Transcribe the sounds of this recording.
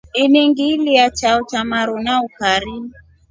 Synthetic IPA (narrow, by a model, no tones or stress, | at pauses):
iniŋɡiliat͡ʃaut͡ʃamaɾunaukaɾi